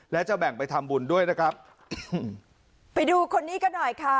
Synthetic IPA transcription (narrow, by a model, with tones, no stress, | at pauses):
lɛː˦˥wt͡ɕa˨˩bɛ˨˩ŋpa˧jt̪ʰa˧mbu˧ndu˥˩əjna˦˥kʰɾa˦˥p̚ | pa˧jduː˧kʰo˧nːiː˦˥ka˧nːɔ˨˩jkʰa˦˥